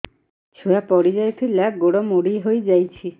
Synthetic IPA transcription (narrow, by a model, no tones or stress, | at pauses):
t͡ʃʰuapɔɽid͡ʒajt̪ʰilaɡoɽɔmoɽiɦojd͡ʒajt͡ʃʰi